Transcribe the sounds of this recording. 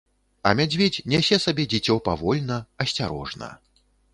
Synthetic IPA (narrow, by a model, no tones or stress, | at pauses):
ɐmʲad͡zʲvʲet͡sʲnʲɛsʲɛsabʲɛd͡zʲɛt͡sʲɔpavɔlʲnɐɐsʲt͡sʲaɾɔʐnɐ̰